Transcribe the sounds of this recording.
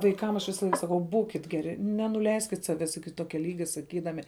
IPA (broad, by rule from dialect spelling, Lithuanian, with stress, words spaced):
ʋɐɪˈkɐm ɐʃ ʋʲɪsɐˈlˠɐɪk sɐˈkɐʊ ˈbuːkʲɪt ˈɡʲæːrʲɪ nʲɛnʊˈlʲɛɪsʲkʲɪt ˈsɑːʋʲɛs ɪkʲɪ ˈtoːkʲɛ ˈlʲiːɡʲɛ sɐˈkʲiːdɐmʲɪ